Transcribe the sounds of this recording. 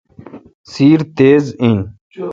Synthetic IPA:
siːɾt̪eːzĩn

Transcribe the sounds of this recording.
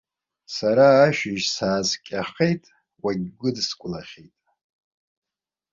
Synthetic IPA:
saɾaːʃᶣɪʒsaːzkʲʼaχe̞jtʼ | waɡʲɡʷʊdskʷʼʊlaχʲejtʼ

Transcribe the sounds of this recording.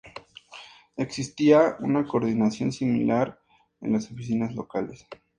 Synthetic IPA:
e̞ksist̪iaunako̞ɾðinasjo̞̰nsimḭlaɾ | ḛnlaso̞fisinazlo̞kale̞s

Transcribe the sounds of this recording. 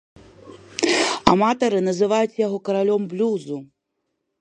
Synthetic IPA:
a̰mat̪ɐɾɨnɐzɨvajut͡sʲjaɣɔkɐɾalʲɔmblʲuzu

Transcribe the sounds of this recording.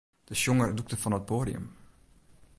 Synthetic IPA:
d̥əʃjoŋərduk̚təfɑnɦət̚pʰoːdiə̰m

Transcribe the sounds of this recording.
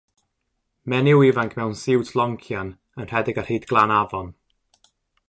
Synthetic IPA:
mɛnɪwɪvaŋkʰmɛwnsɪwtʰlˠɔŋkʰjan | ənr̥ɛdɪɡar̥hejdɡlˠanavɔn

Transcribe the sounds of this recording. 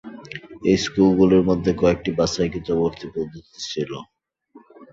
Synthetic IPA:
ejskulɡuleɾmod̪ʱːekɔek̚ʈibasajkit̪oboɾt̪ʰipod̪ʱːot̪i̥t͡ɕʰilo̰

